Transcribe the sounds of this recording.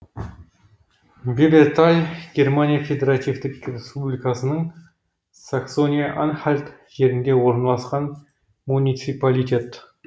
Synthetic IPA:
vʲebert̪alʲɡʲe̞rmanʲijafʲe̞d̪ʲeɾat̪ivt̪ɪkrʲespublʲikɑsənəɴ | sakso̞nʲijaʔanχalʲt̪ | ʒe̞ɾɪnd̪e̞wo̞ɾnɑlˠɑsqɑn | munʲit̪sipalʲit̪ʲe̞t̪

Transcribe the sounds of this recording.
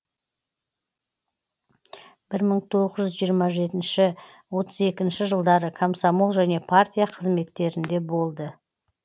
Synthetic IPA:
b̥ɪɾməɴt̪ʰo̞ʁəzʒʏzʒijəɾmɑʒe̞t̪ɪnʃɪ | wo̞t̪ʰəze̞kʲɪnʃɪʒəlˠd̪ɑɾəkʰomsamolˠʒæne̞pʰart̪ʲijɑqʰəzme̞t̪ːe̞ɾɪnd̪e̞bo̞lˠd̪ə

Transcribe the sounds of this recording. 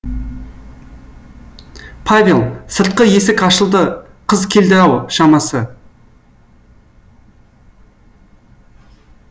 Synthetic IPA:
pʰavʲelˠsəɾt̪̚qəje̞sɪkɑʃəlˠd̪ə | qʰəzkʲʰe̞ld̪ɪɾɑwʃɑmɑsə

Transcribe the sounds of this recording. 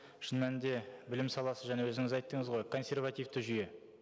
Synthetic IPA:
ʃənmænd̪e̞bɪlɪmsɑlˠɑsəʒænewɵzɪŋɪzɑjt̪ːəɴəzʁo̞jkʰo̞nsʲe̞rvat̪ijvt̪əʒʏje̞

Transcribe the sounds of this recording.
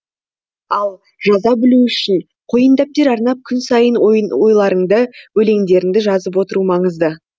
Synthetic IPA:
ɑlˠ | ʒɑzɑbɪluʏʃɪn | qʰojənd̪ɑp̚t̪e̞ɾɑɾnɑp̚kʲʰʏnsɑjənwo̞jlˠɑɾəɴd̪əwɵle̞ŋd̪e̞ɾɪŋd̪ɪʒɑzəp̬wo̞t̪əɾumɑɴəzd̪ə

